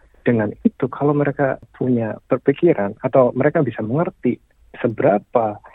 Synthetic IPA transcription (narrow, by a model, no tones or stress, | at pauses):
d̥əŋanit̪ukʰalawməɾekapʰuɲapərpikiɾʔanat̪awməɾekabisaməŋərt̪i | səbəɾapa